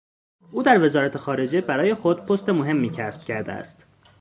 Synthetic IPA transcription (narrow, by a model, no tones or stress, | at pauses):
ʔuːd̪æɾve̞zɒːɾæt̪ʰe̞xɒːɾe̞d͡ʒe̞bæɾɒːjexo̞d̪̚pʰost̪e̞moɦe̞mːiːcʰæsb̥cʰæɾd̪ḛæ̰st̪